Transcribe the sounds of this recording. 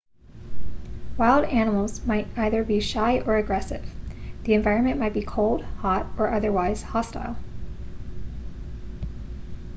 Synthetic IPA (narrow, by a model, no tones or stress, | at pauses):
waɪlˠdænəml̩ˠzmaɪɾaɪðə˞biʃaɪʔə˞ɨɡɹɛsɪ̰v̥ðiɨ̃ɱvaɪɹɨ̃nmɨ̃nmaɪt̚b̥ikʰoʊlˠd̥̚hɑɾə˞ʔʌðə˞waɪz̥hɑsta̰ɪlˠ